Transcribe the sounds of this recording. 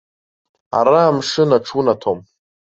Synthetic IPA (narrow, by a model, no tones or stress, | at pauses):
a̰ɾaːmʂɨnaʈ͡ʂʰunatʰom